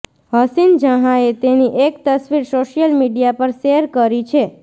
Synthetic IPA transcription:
ɦəsind͡ʒəɦaet̪eniʔekt̪əsʋiɾsoʃijəlmiɖijapəɾʃeəɾkəɾit͡ʃʰe

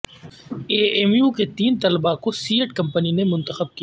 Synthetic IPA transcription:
eːemjuːket̪iːnt̪ɐlbakosiːəʈkɐ̃mpəninemʊ̃nt̪əxəb̚kija

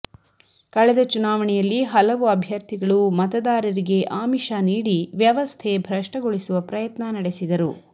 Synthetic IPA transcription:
kɐɭɛd̪ɐt͡ʃunaːʋɐɳɛjɐlːiɦɐlɐʋuɐbʱjɐɾt̪ʰiɡɐɭumɐt̪ɐd̪aːɾɐɾiɡe̞ʔaːmiʃaːniːɽiʋjɐʋɐst̪ʰebʱɾɐʂʈɐɡoɭisuʋɐpɾɐjɐt̪nɐnɐɽesid̪ɐɾu

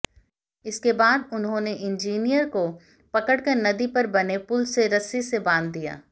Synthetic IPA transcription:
ɪskebaːd̪ʊnɦõneʔɪ̃nd͡ʒiːnijəɾko | pɐkəɽkɐɾnɐd̪ipɐɾbɐnepʊlseɾɐsisebãːnd̪ːija̰ː

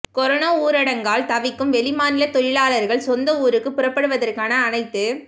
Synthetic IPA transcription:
kɔɾɔnɐːuːɾɐɽɐŋɡaːlt̪ɐʋɪkːɯmʋɛlɪmaːnɪlɐt̪ɔɻɪlaːlɐɾɣɐɭsɔnd̪ɐuːɾɯkːɯpʊrɐpːɐɽɯʋɐðɐrkaːnɐːnɐɪt̪ːɯ

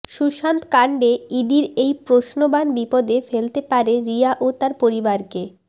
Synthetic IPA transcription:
ʃuʃant̪kaɳɖeiɖiɾejpɾoʃnobanbipod̪efelt̪epaɾeɾiaʔot̪aɾpoɾibaɾke

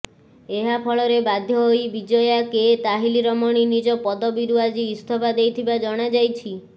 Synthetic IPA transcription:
eɦapʰɔɭɔɾebad̪ʱjɔɦojbid͡ʒɔjaket̪aɦiliɾɔmɔɽ̃inid͡ʒɔpɔd̪ɔbiɾuad͡ʒiːst̪ʰɔbad̪ejt̪ʰibad͡ʒɔɽ̃ad͡ʒajt͡ʃʰi

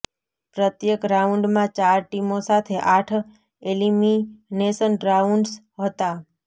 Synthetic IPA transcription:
pɾət̪jekɾauɳɖmãt͡ʃaɾʈimosat̪ʰeʔaʈʰ | eliminesənɾauɳɖs | ɦət̪a

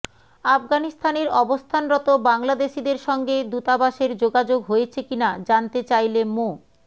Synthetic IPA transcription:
afɡanist̪ʰaneɾɔbost̪ʰanɾɔt̪obaŋlad̪eʃid̪eɾʃɔŋɡed̪ut̪abaʃeɾd͡ʑoɡad͡ʑoɡɦojet͡ɕʰekinad͡ʑant̪et͡ɕajlemo

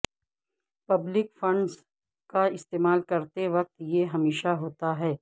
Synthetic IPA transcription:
pɐblɪkfɐ̃ɳɖz | kaɪst̪eːmaːlkɐɾt̪eʋɐk̚t̪jeɦɐmeːʃaɦoːt̪aɦɛː

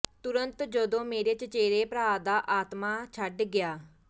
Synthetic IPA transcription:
t̪ʊɾənt̪d͡ʒəd̪õːmeːɾeːt͡ʃət͡ʃeːɾeːpɾaːd̪aːʔaːt̪maːt͡ʃʰəɖɡɪjaː

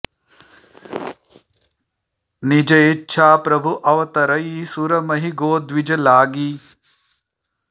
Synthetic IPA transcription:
nid͡ʒɐjitːʃʰaːpɾɐbʱuʔɐʋɐt̪ɐɾɐjisuɾɐmɐɦiɡoːd̪ʋid͡ʒɐlaːɡi

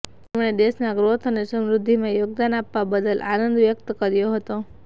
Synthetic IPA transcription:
t̪emɳed̪esnaɡɾot̪ʰənesəmɾʊd̪ʱːimãjoɡ̚d̪anapːabəd̪əlʔanənd̪ʋjək̚t̪kəɾjoɦət̪o

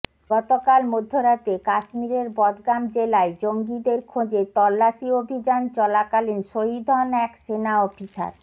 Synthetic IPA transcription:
ɡɔt̪okalmod̪ʱːoɾat̪ekaʃmiɾeɾbɔd̪ɡamd͡ʑelaed͡ʑoŋɡid̪eɾkʰod͡ʑet̪ɔlːaʃiobʱid͡ʑant͡ɕɔlakalinʃoɦid̪ʱɔnɛkʃenaɔfisa̰ɾ

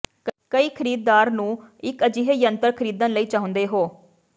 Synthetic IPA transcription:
kəiːkʰəɾiːd̪̚ːaːɾnũːɪkəd͡ʒiːɦejənt̪əɾkʰəɾiːd̪ə̃nləiːt͡ʃaːɦʊ̃nd̪eːɦoː

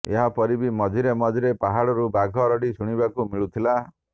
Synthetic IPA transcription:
ḛɦapɔɾibimɔd̪ʱiɾemɔd̪ʱiɾepaɦaɽɔɾubaɡʱɔɾɔɽisuɽ̃ibakumiɭut̪ʰila

